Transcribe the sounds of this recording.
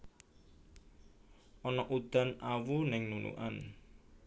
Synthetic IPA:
ʔɔnɔʔud̪̥a̤nawunɪŋnunṵʔa̰n

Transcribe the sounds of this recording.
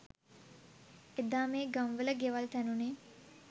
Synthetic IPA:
ed̪aːmeːɡamʋələɡeʋalt̪ænuneː

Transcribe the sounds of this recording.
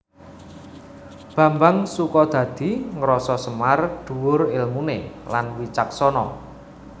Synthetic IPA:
b̥ä̤mbaŋsukɔd̪̥ä̤d̪̥i̤ŋɾɔsɔsəmard̪̥ṳwʊrɪlmunelanwit͡ʃak̚sɔnɔ

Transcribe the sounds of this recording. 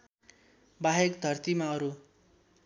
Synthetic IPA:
baɦekd̪ʱʌrt̪imaʌɾu

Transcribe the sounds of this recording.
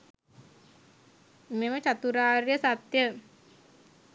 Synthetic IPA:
memət͡ʃat̪uɾaːɾjəsat̪jə

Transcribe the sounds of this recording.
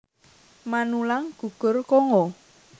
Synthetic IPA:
manulaŋɡ̥ṳɡ̥ʊ̤rkɔŋɔ

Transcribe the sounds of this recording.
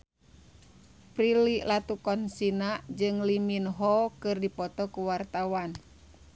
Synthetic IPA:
pɾililat̪ukɔnsinad͡ʒɨŋliminɦɔkɨrdipɔt̪ɔkuwart̪awan

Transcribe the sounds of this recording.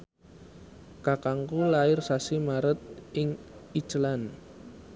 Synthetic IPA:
kakaŋkulaɪrsasimaɾət̪̚ɪŋit͡ʃəlan

